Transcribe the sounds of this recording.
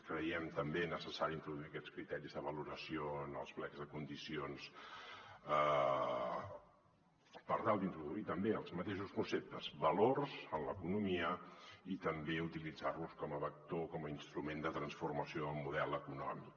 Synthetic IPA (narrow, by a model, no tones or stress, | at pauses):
kɾəjɛmt̪əmbenəsəsaɾiint̪ɾuðuiəkɛt͡skɾit̪ɛɾizðəβəluɾəsioənə̰lˠzβlɛɡzðəkund̪isions | ə | pəɾt̪alˠd̪int̪ɾuðuit̪əmbeəlˠzmət̪eʃuskunsep̚t̪əz̥βəlorzənləkunumiəit̪əmbeut̪ilid͡zarluskɔməβək̚t̪okɔməinst̪ɾumend̪ət̪ɾənsfurməsioəlmuðɛlˠəkunɔmik